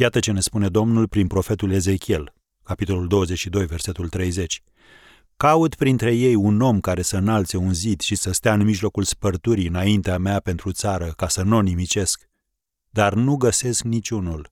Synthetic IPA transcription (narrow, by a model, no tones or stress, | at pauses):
jat̪ət͡ʃe̞ne̞spune̞d̪o̞mnulpɾinpɾo̞fe̞t̪ule̞ze̞kʲie̞l | kapit̪o̞luld̪o̞wəze̞t͡ʃʲʃid̪o̞jve̞rse̞t̪ult̪ɾe̞jze̞t͡ʃʲ | kaut̪pɾint̪ɾe̞je̞juno̞mkaɾe̞səɨnalt̪se̞unzid̪ʃisəst̪eaɨnmiʒlo̞kulspərt̪uɾiɨnaint̪eameape̞nt̪ɾut̪saɾəkasəno̞nimit͡ʃe̞sk | d̪arnuɡəse̞sknit͡ʃʲunul